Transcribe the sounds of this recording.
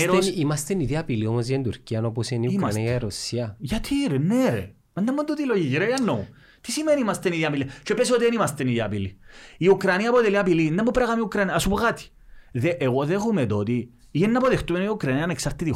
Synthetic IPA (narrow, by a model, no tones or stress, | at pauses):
ɾoimɐst̪eniðiɐpiliomozʝɐind̪uɾciɐnoposeniumɾɐniɐjɐɾosiɐʝat̪ʰiɾenːeɾḛ | ɐnd̪ɐmːund̪ot̪iloʝiʝɾejanːo | t̪isimeniimɐst̪eniðiɐpilit͡ʃepes̬ot̪ienimɐst̪eniðiɐpiliiukɾaniaːpot̪eliapilind̪ɐmːupɾaɣamiukɾaniɐːsupokat̪i̥ | ðeʔeɣoðexumet̪ot̪i | ienːapoðext̪umeniukɾɐniɐaneksaɾt̪it̪i